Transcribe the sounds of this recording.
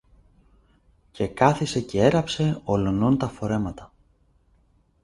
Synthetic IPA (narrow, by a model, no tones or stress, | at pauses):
ce̞kɐθise̞ce̞e̞ɾɐpse̞o̞lo̞nont̪ɐfo̞ɾe̞mɐt̪ɐ